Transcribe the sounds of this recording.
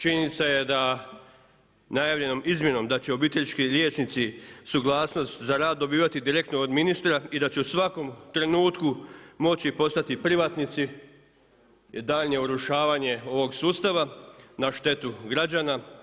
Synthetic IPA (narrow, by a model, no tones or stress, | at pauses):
t͡ʃiɲenit̪saje̞d̪a | najaːʋʎe̞no̞mʔizmje̞no̞md̪at͡ɕeo̞bit̪eʎit͡ʃkiɾje̞ːt͡ʃnit̪sisuɡlˠaːsno̞st̪zaɾaːd̪ːo̞biːʋat̪id̪iɾe̞k̚t̪nood̪minist̪ɾaid̪at͡ɕeusʋako̞mt̪ɾe̞nuːt̪kumo̞t͡ɕipo̞st̪at̪ipɾiʋat̪nit̪si | d̪aːʎɲeuɾuʃaːʋaːɲe̞o̞ʋo̞ɡsuːst̪aʋanaʃt̪e̞t̪uɡɾad͡ʑana